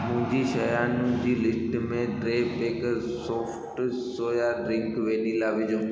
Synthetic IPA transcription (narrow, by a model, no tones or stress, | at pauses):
mʊ̃ɦɪ̃ɲd͡ʑiːʃɐjaːnʊ̃d͡ʑiːlɪsʈmẽɖɾeːpeːkəɾ | soːfʰʈsoːjaɖɾɪ̃ŋkʋeːnilaːʋɪd͡ʑõ